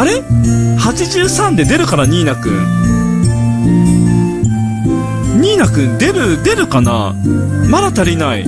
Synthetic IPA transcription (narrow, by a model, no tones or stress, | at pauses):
aɾe̞hat͡ɕiʑɨːsãnd̪e̞d̪e̞ɾɯ̟kaɾaɲ̟iːnakɯ̟̰ | ɲ̟iːnakɯ̟d̪e̞ɾɯ̟d̪e̞ɾɯ̟kana̰ | mad̪at̪aɾʲinaḭ